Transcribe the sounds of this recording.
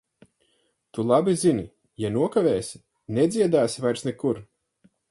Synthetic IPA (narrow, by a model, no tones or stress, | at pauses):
t̪ulˠabizini | januɔkaveːsʲi̥ | nɛd̪zʲiɛd̪aːsvajɾsnɛkuɾ